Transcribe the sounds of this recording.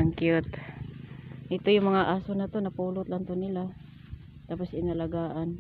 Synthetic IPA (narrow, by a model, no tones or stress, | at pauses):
aŋkɪot̪ | ʔɪt̪ojʊŋmɐŋaʔaːsonat̪onapuːlʊt̪lant̪onɪla | t̪aːpʊsɪnalaɡaːʔan